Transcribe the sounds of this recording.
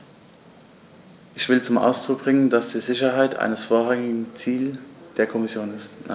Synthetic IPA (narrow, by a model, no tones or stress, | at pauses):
ʔɪçv̥ɪlt͡sʊmʔa̰ʊsd̥ʁ̥ʊk̚b̥ʁɪŋənd̥asd̥iːzɪçɐɦaɪtʔa̰ɪnəsfoːɐʁaŋɪɡŋŋ̩t͡siːld̥eːɐkʰɔmɪsjoːnɪsta̰